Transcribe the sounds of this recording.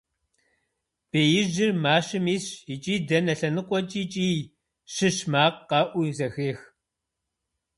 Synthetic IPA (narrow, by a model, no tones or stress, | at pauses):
b̥eːjɪʒɪrmaːʃɨmiːɕit͡ʃʼiːdɐnɐɬɐnɨqʷʼɔt͡ʃʼiːt͡ʃʼiː | ʃɨʃmaːqqɑːʔʷuzɐxeːx